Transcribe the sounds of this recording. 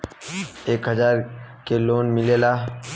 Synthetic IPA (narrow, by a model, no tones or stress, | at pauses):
eːkɦəzaːɾkeloːnmɪlelaː